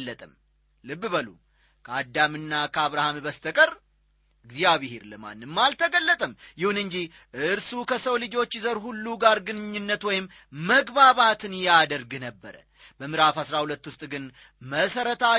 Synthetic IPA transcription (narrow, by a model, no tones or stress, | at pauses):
lːət̪ʼəm | lɨbːɨβəlṵ | kʰəad̪ːamɨnːakʰəaβɾahambəst̪ʰəkʼəɾ | ɨɡzijaβɪheɾləma̰nːɨmːalt̪ʰəɡəlːət̪ʼəmjɪhunɨnd͡ʒi | ʔɨɨɾsukʰəsəwlɨd͡ʒo̞t͡ʃːzəɾhulːuɡaɾɡɨnɨɲːɨnːət̪wɔjɪm | məɡbaβat̪ʰɨnjad̪əɾɡɨnəbːəɾə̰ | bəmɨɾafhasɾahulət̪ːwʊst̪ʼɡɨn | məsəɾət̪ʰa